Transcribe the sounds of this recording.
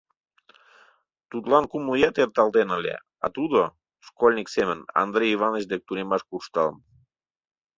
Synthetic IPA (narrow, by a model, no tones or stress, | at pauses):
t̪ut̪lɑnkumlujɑt̪ert̪ɑlˠt̪enəlʲḛ | ɑ̰t̪ud̪o | ʃkolʲnʲiksemə̆nɑ̰nd̪ɾejivɑnət͡ɕd̪ek̚t̪unemɑʃkuʃt̪ɑlm